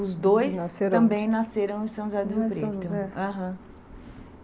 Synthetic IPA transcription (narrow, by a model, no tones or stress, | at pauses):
ʊzd̪ojsnseɾɐ̃mbẽj̃naseɾɐ̃w̃ɪ̃sɐ̃ʒaɾd̪ɪɦebɾeʊaɦɐ̃